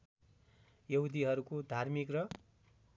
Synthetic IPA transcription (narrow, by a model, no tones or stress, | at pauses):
jʌɦud̪ʱiɦʌɾukod̪ʱarmikrʌ